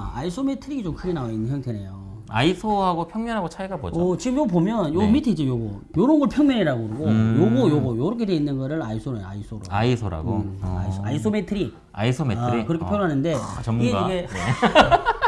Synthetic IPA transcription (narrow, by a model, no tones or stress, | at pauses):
a̰isʰome̞tʰɯɾiɡit͡ɕomkʰɯɡe̞naoinːsʰʌŋtenejo | a̰isʰohaɡopʰjʌŋmjʌnɦaɡot͡ɕʰaɡabo̰d͡ʑʌt͡ɕiɡɯmjop̬omjʌnjomitʰed͡ʑijoɡo | joɾʌnɡʌɭpʰjʌŋmʲjʌniɾaɡokɯɾiɡojoɡojoɡojoɾʌkʰe̞de̞inːɯnɡʌɾɯɭaisʰoɾa̰isʰoɾo̰a̰isʰoɾa̰ɡo̰a̰isʰoaisʰometʰɯɾi | a̰isʰomeʌɾikɯɾʌkʰepʰjʌɾɦanɯnde̞t͡ɕʌmiɡeaiɡe̞e